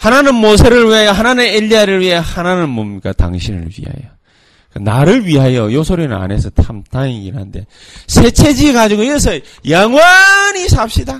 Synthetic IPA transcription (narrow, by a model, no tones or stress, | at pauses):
hananɯnmos̬ʰeɾɯɭɥiɦajʌɦananɯneʎːiaɾɯɭɥiɦejhananɯnmʌmɲik͈ata̰ŋɕʰinɯ̰ɭɥḭɦa̰jo̰ | kɯnaɾɯɭɥiɦajojosʰoɾinɯna̰ne̞sʰʌtʰamtʰaŋiiɾɦa̰nde̞̰ | sʰe̞t͡ɕʰe̞d͡ʑiɡad͡ʑiɡoiesʰʌ | jaŋwaɲisʰap̚ɕ͈ida